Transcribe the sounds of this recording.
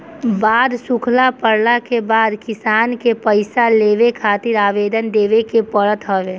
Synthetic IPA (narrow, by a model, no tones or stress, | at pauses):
baːd̪sʊkʰlapəɾlakebaːd̪kɪsaːnkepəɪsaleːʋekʰaːt̪ɪɾaːʋeːd̪ənd̪eːʋekepəɽət̪ɦɔʋeː